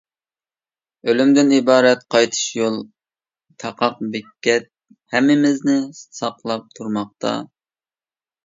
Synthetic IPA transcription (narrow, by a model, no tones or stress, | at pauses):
ølymd̪ɪnibɑːɾɛt̪qʰɑjt̪ʰɨ̥ʃjolˠ | t̪ʰɑqʰɑq̚bɪkʲːɛt̪̚ | hɛmːɪmɪznɪsɑqlˠɑp̚t̪ʰuɾmɑq̚t̪ɑ̰